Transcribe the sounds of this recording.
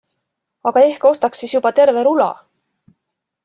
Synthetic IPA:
ɑɡ̥ɑe̞hko̞st̪ɑksːisjub̥ɑt̪e̞ɾve̞ɾulɑ̰

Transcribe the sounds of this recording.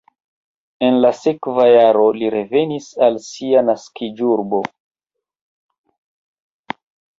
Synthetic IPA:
e̞nlase̞kvajaɾo̞liɾe̞ve̞nisalsianaskid͡ʒuɾbo̞

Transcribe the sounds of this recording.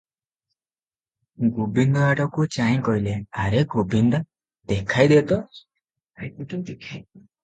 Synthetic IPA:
ɡubind̪ɔaʈɔkut͡ʃaĩkɔɦileaɾeɡubind̪ɔ | d̪̥ekʰajd̪et̪ɔ

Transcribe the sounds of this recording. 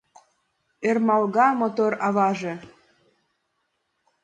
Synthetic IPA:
ermɑlɣɑmot̪oɾɑβɑʒĕ

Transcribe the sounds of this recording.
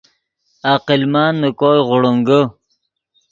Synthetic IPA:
aqilmaːnːəkoːjʁʊɽəŋɡə

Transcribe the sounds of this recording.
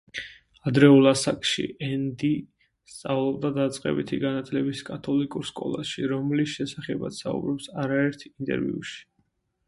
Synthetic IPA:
ad̪ɾɛulˠasakʼʃḭʔɛnd̪i | st̪sʼavlˠɔb̚d̪ad̪at̪sʼqʼɛ̰bit̪ʰiɡanat̪ʰlɛbiskʼat̪ʰɔlikʼuɾskʼɔ̰lˠaʃiɾɔmlisʃɛsaχɛba̰t̪saṵbɾɔpsaɾaɛɾt̪ʰint̪ʼɛ̰ɾvḭuʃi̥

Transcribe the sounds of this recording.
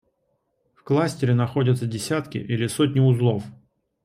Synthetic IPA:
fklˠasʲtʲɪɾʲɪnɐxo̞dʲət̪sədʲɪsʲat̪kʲɪ̰ʔilʲɪsot̬̚ʲnʲɪʊzlˠof

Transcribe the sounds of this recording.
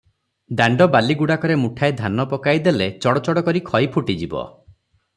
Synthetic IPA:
d̪aɳɖɔbaliɡuɽakɔɾemuʈʰajd̪ʱanɔpɔkajd̪elet͡ʃɔɽɔt͡ʃɔɽɔkɔɾikʰɔjpʰuʈid͡ʒibɔ̰

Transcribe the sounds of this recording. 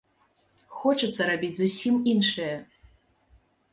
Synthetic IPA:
xot͡ʃɨt̪sːɐɾabʲit͡sʲzusʲiminʂɐjɐ

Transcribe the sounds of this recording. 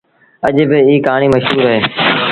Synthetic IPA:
əʄbɪiːkaːɳ̃iːməʃɦuːɾəɦeː

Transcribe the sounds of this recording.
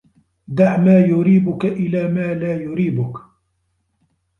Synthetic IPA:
d̪aʕmaːjʊɾiːbʊkaʔɪlaːmaːlaːjʊɾiːbʊk

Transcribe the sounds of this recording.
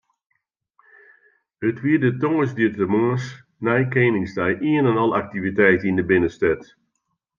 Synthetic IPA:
ətʋiədətoŋəsditəmɔːs | nɛjkeːmɪŋsdɛjʔiənɛnɔlˠak̚tivitɛjtəindəbɪnəstɛt

